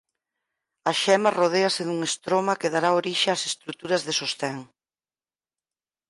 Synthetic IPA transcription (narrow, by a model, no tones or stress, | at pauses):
ɐʃɛmɐroðeɐseðuŋest̪ɾomɐkeðaɾaoɾiʃeasest̪ɾut̪uɾɐzðesost̪ɛŋ